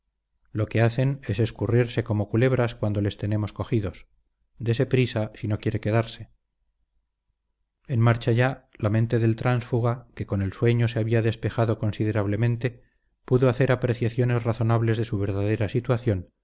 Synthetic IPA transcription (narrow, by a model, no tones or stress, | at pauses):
lo̞ke̞aθe̞ne̞se̞skuriɾse̞ko̞mo̞kule̞βɾaskwand̪o̞le̞st̪e̞ne̞mo̞sko̞xiðo̞s | d̪e̞se̞pɾisasino̞kje̞ɾe̞ke̞ðaɾse̞ | enmaɾt͡ʃaʝalamẽ̞nt̪e̞ðe̞lt̪ɾansfuɣake̞ko̞nelswe̞ɲo̞se̞aβiaðe̞spe̞xaðo̞ko̞nsið̞e̞ɾaβle̞mẽ̞nt̪e̞ | puðo̞aθe̞ɾapɾe̞θjaθjo̞ne̞zraθo̞naβle̞zðe̞suβ̞e̞ɾðaðe̞ɾasit̪waθjo̞n